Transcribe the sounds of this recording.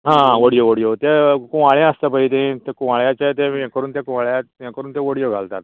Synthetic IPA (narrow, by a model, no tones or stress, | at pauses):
ɦãʋoɽijoʋoɽijot̪ekũʋaɭjãəst̪əpəit̪̬ẽt̪ekũʋaɭjãt͡ɕet̪ẽãkəɾuːnt̪jẽkũʋaɭjãjãkəɾuːnt̪ẽʋoɽijoɡʱalt̪at̪